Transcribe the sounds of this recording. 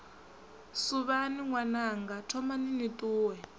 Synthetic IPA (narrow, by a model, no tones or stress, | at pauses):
suβaniŋwanaːŋɡatʰɔmaninitʼuːwɛ